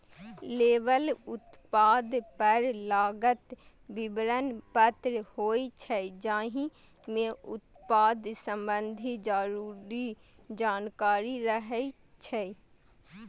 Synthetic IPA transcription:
leːʋəlʊt̪paːd̪pəɾlaːɡət̪ | bɪbɾənpət̪ɾhoːit͡ʃʰɛd͡ʒãːɦĩ | mẽʊt̪paːd̪sə̃mbənd̪ʱid͡ʒaːɾuːɾid͡ʒaːnkaːɾiɾəɦɛi | t͡ʃʰɛ

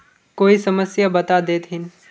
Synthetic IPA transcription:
koːisɐməsjabɐt̪ad̪eːt̪ɦɪn

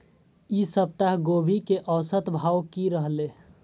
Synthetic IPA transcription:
isəp̚t̪aɦɡoːbʱikeʔəːsət̪bʱawkiɾəɦle

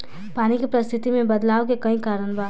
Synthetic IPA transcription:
panikepɾəst̪ʰit̪imebəd̪lawkekə̃ɦĩkaɾənba

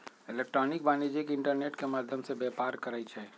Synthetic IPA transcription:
ɪleːk̚ʈɾɔːnɪk̚baːnid͡ʒikɪ̃ɳʈəɾneːʈkemaːd̪ʱjəmsebeːpaːɾkəɾait͡ʃʰɛ

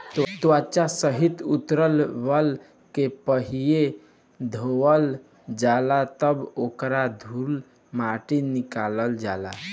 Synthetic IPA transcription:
t̪wat͡ʃasəɦit̪ut̪ɾəlʋəl | kepəɦije | d̪ʱowəl | d͡ʒalat̪əbokɾad̪ʱul | maʈinikaləld͡ʒala̰

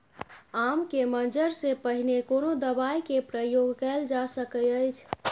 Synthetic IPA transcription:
amkemənd͡ʒəɾsepəɦinekonod̪əbajkepɾəjoɡkɛld͡ʒasəkəəjt͡ʃʰ

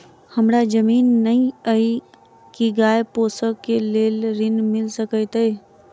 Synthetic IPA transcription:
həmɾad͡ʒəmiːnːəĩəi | kiɡaːepoːsəeleːlɾɪnmɪlsəkəjt̪əe

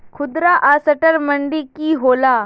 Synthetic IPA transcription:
kʰʊd̪ɾaʔasəʈəɾməɳɖikiɦoːlaː

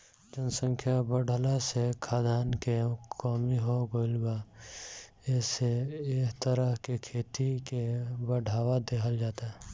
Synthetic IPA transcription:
d͡ʒənsə̃ŋkʰjabəɽʱəlasekʰaːd̪aːnkekɔːmiɦoɡoːɪlba | ɪseeːkt̪əɾəɦkekʰeːt̪ikebəɖʱaːwad̪ekʰəld͡ʒaːt̪a

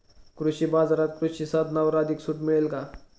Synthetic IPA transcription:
kɾuɕibad͡zaɾat̪kɾuɕisat̪nawɾad̪ʱiksuʈmiɭelka

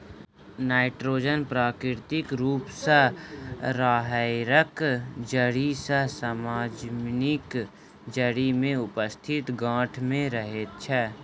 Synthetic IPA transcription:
naːɪʈɾoːd͡ʒənpɾaːkɾɪɾt̪ɪkɾuːpsəɦɾaːɦaɪɾəkd͡ʒəɽisəɦsəmaːd͡ʒmnɪk | d͡ʒəɽimẽʊpəst̪ʰɪt̪ɡãːʈʰmẽɾəɦet̪̚t͡ʃʰɛː

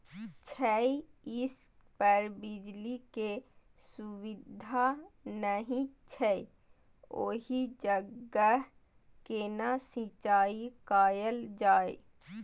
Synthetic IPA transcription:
t͡ʃʰəiɪs | pəɾbɪd͡ʒlikesuwɪd̪ʱanəɦĩt͡ʃʰɛ | o̰ːɦid͡ʒəɡəɦ | kenasĩt͡ʃaːikaːjəld͡ʒaːe

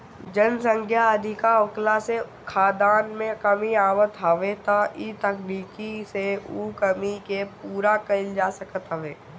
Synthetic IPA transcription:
d͡ʒənsə̃ŋkʰjaɐd̪ʱɪkaʊklase | kʰaːd̪aːnmẽkɐmiaːmət̪ɦɐʋet̪aʔit̪ɐkniːkiseukəmikepuːɾakɐɪld͡ʒaːsəkət̪ɦəʋeː

